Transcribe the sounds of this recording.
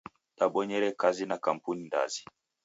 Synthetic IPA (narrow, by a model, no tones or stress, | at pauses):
ɗaɓɔɲɛɾɛkazinakam̩puninda̰zi